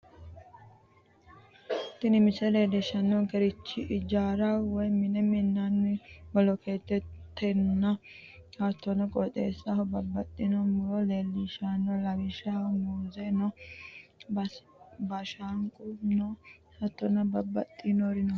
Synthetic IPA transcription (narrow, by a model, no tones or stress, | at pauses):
t̪ːɪnɪmɪsɛle̞ːlːiʃɐnːɔnkɛɾɪt͡ʃːɪʔɪd͡ʒaːɾawɔjmɪnɛmɪnːanːɪbɔlɔkeːt̪ːɛt̪ʰːɛnːɐ | hɐt̪ːɔnɐkʼɔt̪ʼḛːsːahɔbɐbːɐt̪ʼːɪnɔmʊlɔleːlːiʃanːɔlɐɡɪʃamuːzenɔ | bɐʃaŋkʼʊnohɐt̪ːɔnɐbɐbːɐt̪ʼːɪnoɾɪnɔ